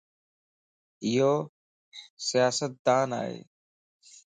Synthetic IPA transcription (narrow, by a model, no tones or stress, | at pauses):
ɪɦoː | sɪjaːsət̪̚d̪aːna̰ːɦḛː